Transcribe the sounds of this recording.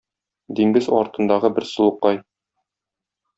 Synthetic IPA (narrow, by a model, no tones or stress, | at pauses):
d̪iŋɡɘzɒ̰ɾt̪ɤ̆nd̪ɑʁɤbɘɾsɤ̆lˠɤqːɑj